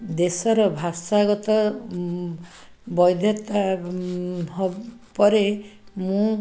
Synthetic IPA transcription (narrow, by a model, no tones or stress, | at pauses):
d̪esɔɾɔbʱasaɡɔt̪ɔ | bɔjd̪ʱjɔt̪a | ɦɔpɔɾemũ